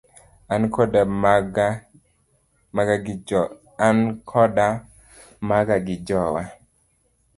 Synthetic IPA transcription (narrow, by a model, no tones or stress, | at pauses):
ankɔdaɡ | maɡa | ankʰɔda | maɡaɡɪd͡ʒɔwa